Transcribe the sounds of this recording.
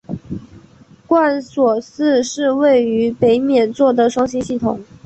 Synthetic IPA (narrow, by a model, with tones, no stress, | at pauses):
kwa˥˩nswɔ˨˩sɹ̩˥˧ʂɻ̩˥˧we˥˩ɪy˧˥pe˧˥ɪmjɛ˨˩nt͡swɔ˥˩d̪ə˩ʂwɑ˥ŋɕi˥nɕi˥˩t̪ʰʊ˨˩˦ŋ